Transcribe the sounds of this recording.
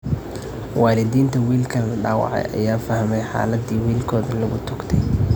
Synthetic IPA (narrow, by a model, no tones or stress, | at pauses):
wɑːlɪd̪iːnt̪ʰɐwiːlkʰɐlɐɖaːwɑ̰ʕɛ̰jʔɐ̰jaːfɐhmɛjħa̰ːlɐd̪iːwiːlkʰɔːðɐlɐɣʊt̪ʰʊɡt̪ʰɛj